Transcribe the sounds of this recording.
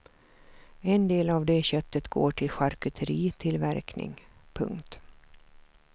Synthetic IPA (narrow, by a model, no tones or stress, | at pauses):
ɛnd̪eːlavd̪ɛɕœt̪ːət̪ɡo̰ːʈʰɪlɧaɾkɵt̪ʰəɾiːt̪ʰɪlvæɾknɪ̰ŋpʰɵ̰ŋkt̪